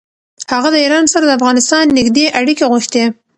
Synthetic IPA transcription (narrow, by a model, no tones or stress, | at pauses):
haɣad̪əiɾɑnsaɾad̪əafɣɑnɪst̪ɑnːɪɡd̪eʔaɽikeɣuxt̪e